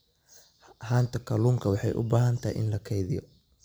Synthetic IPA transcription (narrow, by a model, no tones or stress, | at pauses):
haːnt̪ʰɐkʰɐluːŋkʰɐwɑħɑjʔʊ̰baːɦɐnt̪ʰaːjʔɪ̰nlɐkʰɛjðɪjɔ̰